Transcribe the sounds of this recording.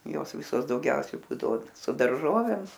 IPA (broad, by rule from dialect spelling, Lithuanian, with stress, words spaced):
ˈjoːs ˈʋʲɪsoːs dɐʊˈɡʲɛʊsʲɛɪ ˈbuːdɐʋoː sʊ dɐrˈʒoːʋʲeːm